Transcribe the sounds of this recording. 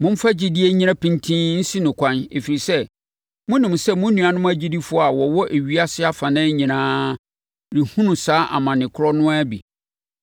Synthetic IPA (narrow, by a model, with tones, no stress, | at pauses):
mʊ̃˦m̩˦fa˦d͡ʑi˨dɪ˦e˦ɲĩ˦ã˦pĩ˦ntʰĩ˦n̩˦si˦nʊ̃˨kʷʰã˦nḛ˨fi˨ɾi˨sɛ˦ | mʊ̃˦nĩ˨m˨sɛ˦mʊ̃˦nũ˨a˨nʊ̃˦m˦æ˦d͡ʑi˦di˦fʊ˦a˨wɔ˨wɔ˦ʔe˨ɥi˦a˦sɪ˦a˦fã˨nã˦ɲĩ˨nãː˦ | ɾi˨hũ˦nũ˨saː˦ʔa̰˨mã˨nɪ̃˨kʰʊ˦ɾɔ˦nʊ̃˦a˦bḭ˨